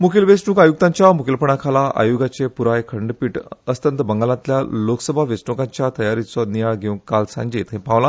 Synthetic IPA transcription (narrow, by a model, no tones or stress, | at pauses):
mukʰilʋesnuːkajuk̚t̪ãɲt͡ɕjamukʰilpəɳ̃akʰalaa̰juɡat͡sepuɾajkʰəɳɖpiːʈəst̪ənt̪əbəŋɡalãt̪ljalokəsəbʱaʋesnukãɲt͡ɕjat̪əjaɾit͡sɔnijaɭɡʱew̃kalsã̰ɲd͡ʑiːt̪ɦẽpãʋlã